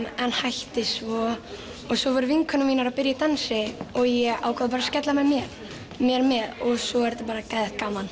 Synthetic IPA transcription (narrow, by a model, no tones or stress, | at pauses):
ɛnhajht̪ɪsvɔː | ɣsɔvɔɾʏviŋkʰœnʏmiːnaɾapɪɾjat̪ansɪɔɣjɛa̰ːwkʰaðapaɾascɛt̪lamɛmjɛɾ | mjɛɾmɛðɔɣsɔɛɾt̪apaːɾakaːjðɪkaːman